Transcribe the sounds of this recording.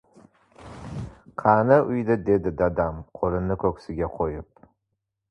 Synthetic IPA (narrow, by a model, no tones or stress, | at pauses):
qʰɑnaʔʊjd̪ɪd̪e̞d̪ɪd̪ad̪amqʰoɾɪnːɪkʲʰɵkʲsɪɡʲaqʰojɪp̚